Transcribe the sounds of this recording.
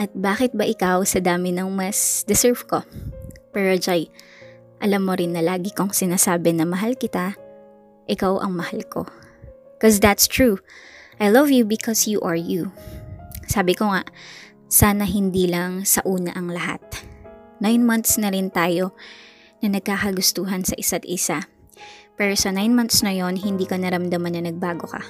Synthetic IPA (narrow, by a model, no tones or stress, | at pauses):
ʔɐt̪̚baːkɪt̪̚bɐʔɪkawsɐd̪aːmɪnɐŋmɐsd̪ɪsɛɹvkopɛɹod͡ʒaj | ʔɐlamːoɾɪnːɐlaːɡɪkoŋsɪnaːsaːbɛnɐmɐɦalkɪt̪a | ʔɪkawʔɐ̰ŋmɐhalko̞̰ | kosd̪ɐt̪st̪ɹuʔajlɐvjubɪkʰɔsjuʔɐɹju | saːbɪkoŋaʔ | saːnɐɦɪnd̪iːlɐŋsɐʔuːnɐʔɐŋlɐɦa̰t̪̚najnmɐnt̪snɐɾɪnt̪aːjo̞ | nɐnɐɡ̚kaːkɐɡʊst̪uːɦɐnsɐʔɪsat̪̚ʔɪsa | pɛːɹosɐnajnmɐnt̪snɐjo̞nɦɪnd̪iːkɐnɐɾɐmd̪ɐmɐnːɐnɐɡ̚baːɡo̞kɐ̰